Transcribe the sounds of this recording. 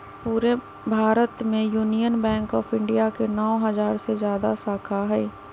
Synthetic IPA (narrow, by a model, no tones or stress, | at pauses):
puːɾe | bʱaːɾət̪mẽjuːnijənbɛ̃ːŋkɔːpʰɪ̃ɳɖijakenɔːɦɐzaːɾsezjaːd̪asaːkʰaɦɛː